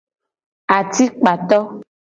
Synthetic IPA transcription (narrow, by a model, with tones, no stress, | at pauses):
a˨t̪i˦k͡pa˨t̪ɔ˦